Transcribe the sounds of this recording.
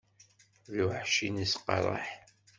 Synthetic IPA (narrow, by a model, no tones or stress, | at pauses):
ðuħʃinisqɑ̰ɾˤɑ̰ħ